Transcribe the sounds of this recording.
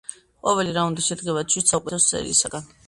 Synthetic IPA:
qʼɔvɛliɾaund̪iʃɛd̪ɡɛvat͡ʃʰwit̪sʰaukʼɛt̪ʰɔst̪sʼɛ̰ɾḭːsaɡan

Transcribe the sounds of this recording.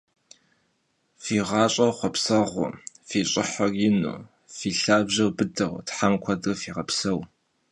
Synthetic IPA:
fiːʁɑːɕʼɐwχʷɔpsɐʁʷʊ̰ | fiːɕʼɪħarjɪnṵː | fiːɬaːbʑɐwbɨdɐwʷtħamkʷʰɐdɨfiːʁɐpsɐw

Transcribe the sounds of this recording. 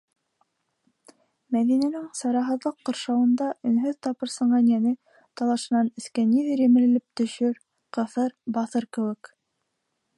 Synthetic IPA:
mæðinænɘŋsɑɾɑɦɤ̆ðlˠɤqːɤ̆ɾʃɑwɤ̆nd̪ɑʔɵ̆nɦɵðt̪ɑpɤ̆ɾsɤ̆ɴɢɑnjænɘ | t̪ɑlˠɑʃɤ̆nɑnɘ̆skæniðɘɾjɘ̆mɘ̆lɘ̆lɘp̚t̪ɵ̆ʃɵɾ | qɤ̆θɤɾbɑθɤɾkɘ̆wɘ̆k

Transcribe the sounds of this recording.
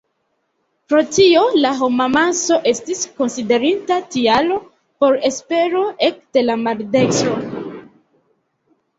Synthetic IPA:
pɾo̞tio̞laɦo̞mamanso̞ʔe̞stisko̞nside̞ɾintatialo̞ | po̞ɾe̞spe̞ɾo̞ʔe̞kde̞lamaɾde̞kso

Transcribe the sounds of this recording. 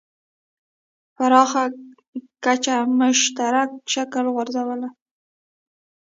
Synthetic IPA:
faɾɑxa | kat͡ʃamʊʃt̪aɾak̚ʃakəlɣwaɾzawəla

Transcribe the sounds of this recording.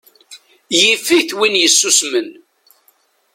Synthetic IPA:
jifiθwinjəsːusmən

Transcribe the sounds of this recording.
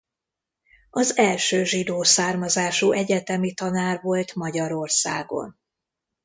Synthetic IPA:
ɒzɛlʃøːʒid̪oːsaːrmɒzaːʃuʔɛɟɛt̪ɛmit̪ɒnaːrvo̞lt̪mɒɟɒɾo̞rsa̰ːɡo̞̰n

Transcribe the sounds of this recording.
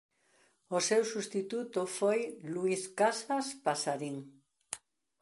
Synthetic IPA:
osewsust̪it̪ut̪ofojluiskasaspasaɾiŋ

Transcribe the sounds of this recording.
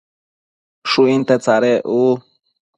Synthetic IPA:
ʂuint̪et͡saɾeʔu

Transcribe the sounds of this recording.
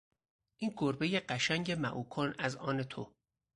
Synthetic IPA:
ʔiːnɡoɾbejeɢæʃæŋɟemæʔuːkʰonæzɒ̰ːnet̪ʰo

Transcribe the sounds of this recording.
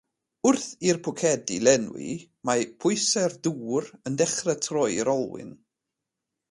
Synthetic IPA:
ʊrθirpʰʊkʰɛdilɛnwḭ | mapʰʊjsɛrduːɾəndɛχrətʰrɔjɾɔlˠwɪ̰n

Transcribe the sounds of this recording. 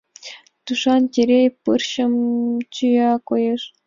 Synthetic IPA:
t̪uʂɑntʲeɾʲejpɯrɕɤ̆mt͡ɕɯjɑkojɤ̆ʂ

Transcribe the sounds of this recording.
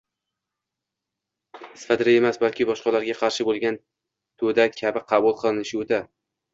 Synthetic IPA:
ɪsfad̪ɾae̞masbalkʲɪbɒʃqɑlaɾɡʲaqʰɑɾʃɪbolˠɡʲan | t̪ʰod̪akʲʰabɪqʰɑbʊlˠqʰɨlˠɪnɪʃuwd̪a

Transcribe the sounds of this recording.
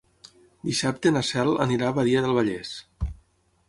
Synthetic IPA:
d̪isap̚t̪enasɛlˠə̰niɾaβaðiəðəlˠβ̞aʎɛs

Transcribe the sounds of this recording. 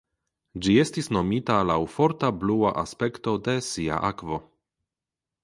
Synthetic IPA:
d͡ʒie̞stisno̞mitalawfo̞ɾtablua̰ʔa̰spe̞kto̞de̞sia̰ʔakvo̞

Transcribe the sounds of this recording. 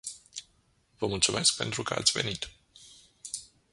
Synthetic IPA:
vəmult̪sume̞sk̚pe̞̰nt̪ɾukəa̰t̪sʲve̞̰nit̪

